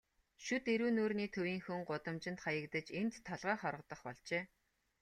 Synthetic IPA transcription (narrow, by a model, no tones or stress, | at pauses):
ʃut̪eɾuːnoːrniːt̪ʰɵwiːŋxɵŋɢʊt̪ə̆mt͡ɕɪ̆nt̪χajə̆kt̪ə̆t͡ɕent̪t̪ʰːɔɮʁaːχɔɾə̆q̚t̪ə̆χpɔɮt͡ɕeː